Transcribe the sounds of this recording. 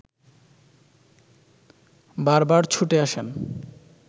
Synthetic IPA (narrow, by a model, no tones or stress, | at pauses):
baɾbaɾt͡ɕʰuʈeaʃen